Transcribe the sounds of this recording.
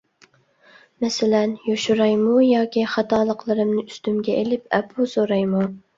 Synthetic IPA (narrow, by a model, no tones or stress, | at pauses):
mɛsɪlɛnjoʃuɾɑjmujɑːkʲiχɑt̪ɑːlˠəqlˠɨɾɨmnɪyst̪ymɡʲɛelɪp̚ɛpʰusoɾɑjmu